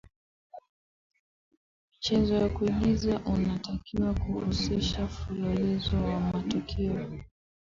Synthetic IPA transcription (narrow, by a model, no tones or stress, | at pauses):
mit͡ʃɛzɔwakuiɠizaʔunatakiwakuhusiʃafulɔlɛzɔwamatɔkʰɛɔ